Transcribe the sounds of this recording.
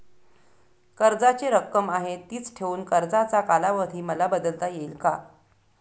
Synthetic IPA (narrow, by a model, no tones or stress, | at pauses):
kəɾd͡zat͡seɾəkːəmaɦet̪ːiːt͡sʈʰeʋuːnkəɾd͡zat͡sakalaʋəd̪ʱiːməlabəd̪əlt̪ajeilka